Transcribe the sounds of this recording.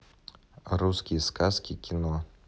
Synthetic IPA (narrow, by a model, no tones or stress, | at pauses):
ɾuskʲijɛskaskʲikʲinɔ